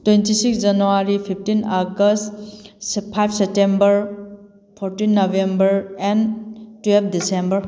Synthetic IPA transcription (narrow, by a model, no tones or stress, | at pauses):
twentisiksd͡ʒɐnuaɾipʰip̚ʰtinaɡəst | pʰajp̚ʰsep̚tembɐɾ | pʰoɾtinːobʱembɐɾɛntwelp̚ʰdisembɐɾ